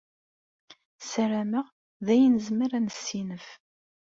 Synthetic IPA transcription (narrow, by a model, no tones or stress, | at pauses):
səɾæməʁ | ðæjənəzməɾænsːinəf